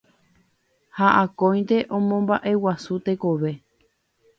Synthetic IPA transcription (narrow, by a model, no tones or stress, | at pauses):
haʔãkõj̃nd̪e̞ʔõmõmbaʔe̞wasut̪e̞koʋe̞